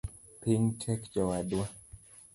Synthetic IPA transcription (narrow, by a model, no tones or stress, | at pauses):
piɲtʰɛkd͡ʒɔwadwa